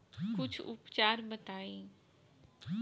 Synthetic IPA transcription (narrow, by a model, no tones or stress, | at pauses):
kʊt͡ʃʰʊ̰pt͡ʃaːɾbət̪aːiː